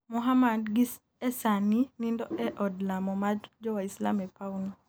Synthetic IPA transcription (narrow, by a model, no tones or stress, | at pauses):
muɦamadɡi | ɛsaninindɔɛʔɔdlamɔmad͡ʒɔwaisla̰mɛpauno